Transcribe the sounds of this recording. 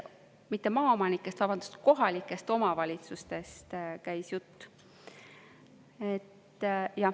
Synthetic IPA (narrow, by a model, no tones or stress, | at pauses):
mit̪ːe̞mɑːomɑnikːˑe̞st̪vɑbɑnd̪̥ust̪̚ko̞ɦɑlʲikːˑe̞st̪o̞mɑvɑlʲit̪sust̪e̞st̪kæjsjut̪ː | et̪ː | jɑ